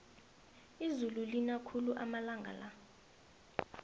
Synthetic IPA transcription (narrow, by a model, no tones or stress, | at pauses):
izululinakʰuluʔamalaŋɡʱa̰la